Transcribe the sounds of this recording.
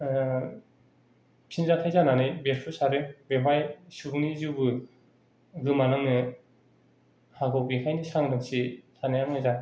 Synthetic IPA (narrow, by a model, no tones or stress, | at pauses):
pʰinzakʰajzananɯjbeɾpʰusaɾɯbemajsubunizɯbɯ | ɡɯmanɯŋnɯ | haɡɔwɡikʰajnisaŋdɯŋsisʰanajaŋnajza